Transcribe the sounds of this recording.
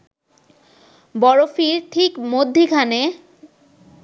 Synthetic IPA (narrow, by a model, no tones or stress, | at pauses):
bɔɾofiɾʈʰikmod̪ʱːikʰane